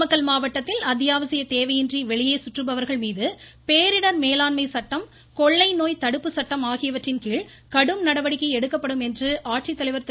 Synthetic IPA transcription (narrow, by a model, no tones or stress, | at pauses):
mɐkːɐɭmaːʋɐʈːɐt̪ːɪlɐd̪jaːʋɐsɪjɐt̪eːʋɐjɪndriʋɛɭɪjeːsʊʈrɯbɐʋɐɾɣɐɭmiːðɯpeːɾɪɽɐɾmeːlaːnmɐɪsɐʈːɐm | kɔɭːɐɪnoːjt̪ɐɽɯpːɯsɐʈːɐmaːɣɪjɐʋɐʈrɪnkiːɭ | kɐɽɯmnɐɽɐʋɐɽɪkːɐɪɛɽɯkːɐpːɐɽɯmɛndrɯʔaːʈrit̪ːɐlɐɪʋɐɾt̪